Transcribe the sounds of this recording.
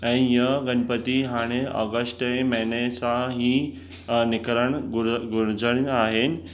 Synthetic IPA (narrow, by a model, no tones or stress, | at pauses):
əñijəɡənpət̪iɦaɽ̃eʔə̰ɡəsʈeməɦɳesaɦi | nikɾəɳɡuɾd͡zəɽ̃iaɦen